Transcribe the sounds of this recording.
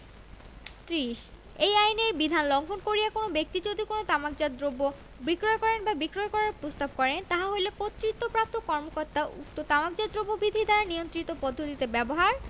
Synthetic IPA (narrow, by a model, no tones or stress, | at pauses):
t̪ɾiʃ | ejajneɾbid̪ʱanloŋɡʰʱonkoɾijakonobek̚t̪id͡ʑod̪ʱikonot̪amak̚d͡ʑad̪obo | bikɾoekɔɾenbabikɾoekɔɾaɾpɾost̪ab̚kɔɾent̪aɦaɦojlekot̪ːɾit̪ːopɾap̚t̪okɔɾmokoɾt̪aʔṵk̚t̪ot̪amakd͡ʑad̪ɾobobid̪ʱid̪aɾaniont̪ɾit̪opɔd̪ʱːot̪it̪ebɛboɦaɾ